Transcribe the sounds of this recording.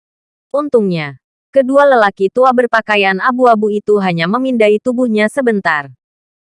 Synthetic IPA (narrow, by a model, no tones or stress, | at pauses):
ʔunt̪uŋɲa | kədualəlakit̪uabərpakajanabuabuit̪uɦaɲaməmindait̪ubuhɲasəbənt̪ar